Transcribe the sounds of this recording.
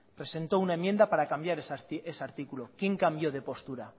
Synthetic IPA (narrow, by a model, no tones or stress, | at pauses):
pɾe̞se̞nt̪ounaemːje̞nd̪apaɾakambjaɾesesaɾt̪ikulokje̞ŋkambjo̞ð̞e̞po̞st̪uɾa